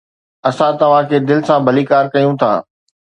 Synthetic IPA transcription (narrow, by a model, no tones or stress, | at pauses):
ɐsãt̪ɐʋ̤ãkʰeːd̪ɪlɪ̆sãbʱɐliːkaːɾkɐjũt̪ʰa̰ː